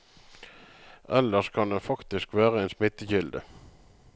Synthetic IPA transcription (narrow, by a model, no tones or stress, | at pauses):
ʔɛlːəʂkʰɑnd̪ɛfɑkt̪ɪskʋæːʁəɛːnsmɪt̪ːəçɪld̪ə̰